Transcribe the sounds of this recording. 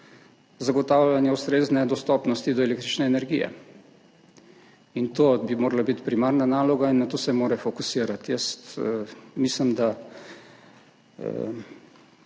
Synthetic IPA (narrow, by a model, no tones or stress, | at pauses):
zaɡɔt̪awlʲjanjɛust̪ɾeznɛd̪ɔst̪ɔpnɔst̪id̪ɔelekt̪ɾit͡ʃnɛːnɛɾɡijɛ̰ | int̪obimoːɾalabit̪pɾimaɾnanaːlɔɡainːat̪oːsɛmoːɾɛfɔkusiːɾat̪jəst̪əmislimd̪a